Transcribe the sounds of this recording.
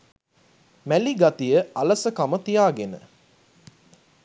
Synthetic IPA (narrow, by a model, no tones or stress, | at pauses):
mæliɡat̪ijəʔɐlɐsəkamət̪ijaːɡenə̰